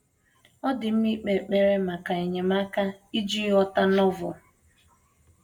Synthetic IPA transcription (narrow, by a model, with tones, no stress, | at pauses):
ɔ˦dɪ˨m̩˦mi˦k͡pe˨k͡pe˦ɾe˦ma˨ka˨e˨ɲe˨ma˦ka˦i˦d͡ʒi˦ɔ˦ta˦nɔ˦vɔ˨